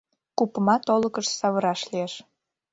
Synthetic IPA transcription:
kupə̆mɑt̪oləkəʃsɑβəɾɑʃlieʃ

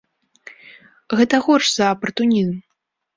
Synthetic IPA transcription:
ɣɛt̪ɐɣɔrʂz̥ɐpɐrt̪unʲizm

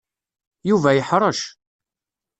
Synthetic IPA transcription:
juvæjəħɾˤəʃ

